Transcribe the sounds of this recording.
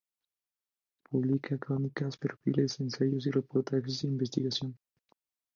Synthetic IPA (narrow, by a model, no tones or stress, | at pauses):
puβlikʰakɾonikaspeɾfilezensaʝosirepoɾt̪akizðeimbest̪iɣasjon